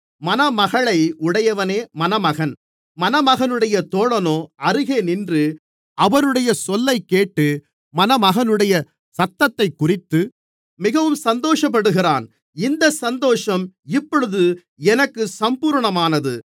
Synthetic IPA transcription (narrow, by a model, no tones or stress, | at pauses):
mɐnɐmɐɣɐɭɐɪʊɽɐjɐʋɐneːmɐnɐmɐɣɐn | mɐnɐmɐɣɐnɯɽɐjɐt̪oːɭɐnoːʔɐɾɯɣeːnɪndrɯ | ʔɐʋɐnɯɽɐjɐsɔlːɐɪkːeːʈːɯ | mɐnɐmɐɣɐnɯɽɐjɐ | sɐt̪ːɐt̪ːɐɪkːʊrɪt̪ːɯ | mɪɣɐʋɯmsɐnd̪oːʂɐp̬ːɐɽɯɣɪraːn | ɪnd̪ɐsɐnd̪oːʂɐmɪpːɔɻɯðɯ | ɛnɐkːɯsɐmpuːɾɳɐmaːnɐðɯ